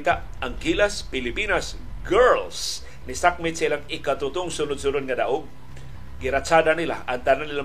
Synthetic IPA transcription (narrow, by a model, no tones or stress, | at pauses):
t̪aʔ | ʔaŋɡilaspɪlɪpinas | ɡɛɹls | nɪsak̚mɪt̪sailaŋɪkat̪ʊt̪ʊŋsʊnʊd̪sʊnʊd̪̚ŋad̪aʔoɡ̚ | ɡɪɾat͡ʃad̪anilaʔaŋt̪ananːila